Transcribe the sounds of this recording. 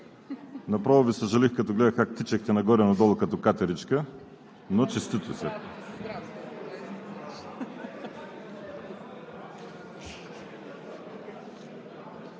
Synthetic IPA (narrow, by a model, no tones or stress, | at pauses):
nɐpɾavovisəʒɐlixkɐt̪ɔɡlɛd̪ɐxkakt̪it͡ʃɛxt̪ɛnɐɡɔɾɛnɐd̪ɔlˠɐkɐt̪ɔkat̪ɐɾit͡ʃkə | not͡ʃist̪it̪ʊsɛ̰